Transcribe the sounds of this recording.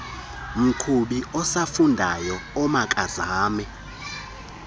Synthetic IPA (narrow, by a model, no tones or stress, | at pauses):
m̩kʰuɓiɔsafundʱajɔɔmakʼazaːmɛ